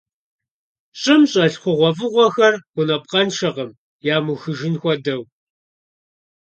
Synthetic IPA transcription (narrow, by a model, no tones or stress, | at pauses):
ɕʼɐmɕʼɐɬχʷʊʁʷɔvɨʁʷɔxɐrɡ̥ʷʊnɐp̚qɐnʃɐʁɐm | jaːmuxɨʒɪnxʷɔdɐw